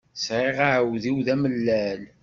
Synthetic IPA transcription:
sɾɪʁaʕwðiwðæməlːæl

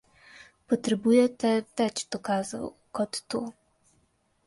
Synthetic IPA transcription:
pɔt̪ɾɛbujɛt̪ɛvɛt͡ɕt̪ɔkaza̰wkɔt̪ːu

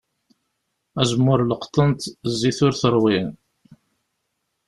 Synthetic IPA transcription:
æzəmːʊɾləqt̪ˤənt̪zːiθʊɾθəɾˤwin

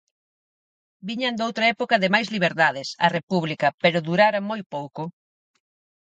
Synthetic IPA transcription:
biɲɐnd̪owt̪ɾɐɛpokɐðɪmajzliβ̞eɾðaðɪsɐ̰repuβlikɐpeɾʊðuɾaɾɐmojpowko

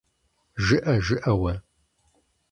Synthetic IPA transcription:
ʒɨʔɐʒɨʔɐwɐ

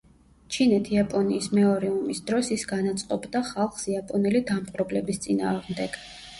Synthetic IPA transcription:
t͡ʃʰinɛt̪ʰiapʼɔniːsmɛɔɾiumisd̪ɾɔsisɡanat̪sʼqʼɔbd̪aχalˠχsiapʼɔnɛlid̪amqʼɾɔblɛbist̪sʼina̰ːʁmd̪ɛɡ̥

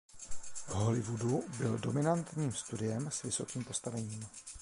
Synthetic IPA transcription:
ɦo̞lɪvudubɪldo̞mɪnant̪ɲiːmst̪udɪjɛmsvɪso̞kiːmpo̞st̪avɛɲiːm

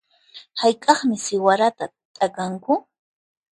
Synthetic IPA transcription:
hajkʼɑχmɪsɪwaɾat̪a | t̪ʼakaŋkʊ

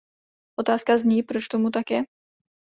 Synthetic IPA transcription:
ʔot̪aːskazɲiːpɾot͡ʃt̪omut̪akjɛ

